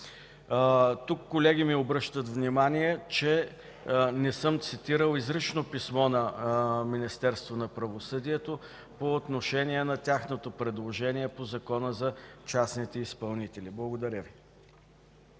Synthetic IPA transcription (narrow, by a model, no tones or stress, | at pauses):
t̪ukːolɛɡimiobɾɤʃt̪ət̪vnimaniɛt͡ʃɛ | nɛsɤmt̪sit̪iɾəlˠizɾit͡ʃnopismɔnɐminist̪ɛɾst̪vonɐpɾɐvosɤd̪iɛt̪o | poːt̪noʃɛnʲiɛnɐt̪ʲjaxnot̪opɾɛd̪lˠoʒɛniɛpozɐkɔnəzɐt͡ʃasnit̪ɛispɐlˠnit̪ɛliblˠɐɡod̪ɐɾʲəvi